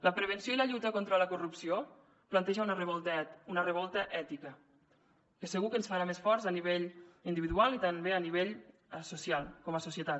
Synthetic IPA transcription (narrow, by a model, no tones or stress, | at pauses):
ləpɾəβ̞ənsioiləʎut̪əkont̪ɾələkurupsio | plant̪ɛʒəunərəβɔlt̪unərəβɔlˠt̪əʔɛt̪ikə | kəsəɣukənsfaɾamesfɔɾzəniβ̞eʎind̪iβiðualˠit̪anβeəniβeʎsusialˠkɔməsusjət̪at̪